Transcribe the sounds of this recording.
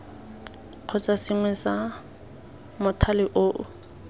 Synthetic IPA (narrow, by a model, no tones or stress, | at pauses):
q͡χʰʊt͡sasɪŋwɛsa | mʊtʰalɪʔoːʔʊ̰